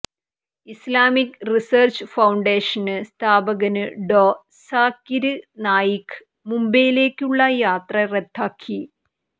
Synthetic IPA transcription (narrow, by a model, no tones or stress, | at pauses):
islaːmikriseːrt͡ɕɨfɐwɳɖeːʂɐnɨst̪ʰaːbɐɣɐnɨɖoː | saːkːiɾɨnaːjikːɨ̥ | mumbejile̞ːkʲːuɭːɐjaːt̪rɐret̪ʰːaːkʰːi